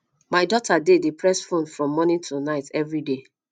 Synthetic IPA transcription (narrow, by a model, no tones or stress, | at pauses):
maɪdɔtʰadedepɹɛsfõnfɹɔ̃mːɔnĩntʰunaɪtɛvɹide